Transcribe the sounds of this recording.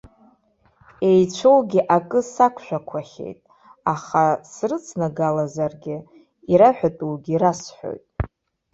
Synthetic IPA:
e̞jt͡ʃʷʰo̞wɡʲiʔakʼɨsakʷʰʃʷᶣakʷʰaχʲe̞̰jtʼ | aχasrɨt͡sʰnaɡalazarɡʲɪ | iɾaħᶣatʼuwɡʲiɾasħo̰jtʼ

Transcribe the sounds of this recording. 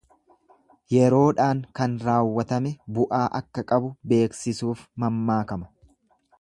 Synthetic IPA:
jɛɾo̞ːᶑaːŋkɐnɾaːwːɐt̪ɐmɛbʊʔaːʔɐkːɐkʼɐbʊbe̞ːksɪsuːfmɐmːaːkɐmɐ̥

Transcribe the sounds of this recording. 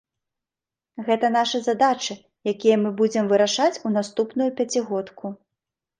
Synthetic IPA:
ɣɛt̪ɐnaʂɐzad̪at͡ʂɨ | jakʲijɐmɨbud͡zʲɛmvɨɾaʂat͡sʲunast̪upnujupʲat͡sʲiɣɔt̪kʰu

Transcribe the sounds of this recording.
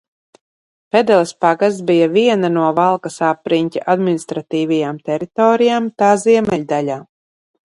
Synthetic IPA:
pɛd̪ɛlˠspaɡazt̪bijaviɛnanuɔvalˠkasapɾiɲʲcʲa̰ʔad̪minist̪ɾat̪iːvajamt̪ɛɾit̪ɔːɾijaːmt̪aːziɛmɛʎʲd̪alʲaː

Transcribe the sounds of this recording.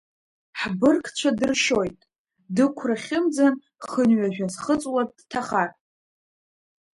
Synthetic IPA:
ħbɨrkʰt͡ʃʷʰadɨrʃo̞jtʼ | dɨkʷʰraχʲɪmd͡zan | χənɥaʒᶣazχət͡sʼwadtʰaχar

